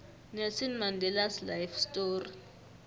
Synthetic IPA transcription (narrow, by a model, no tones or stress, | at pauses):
nesinmandʱɛlaslajfstoːri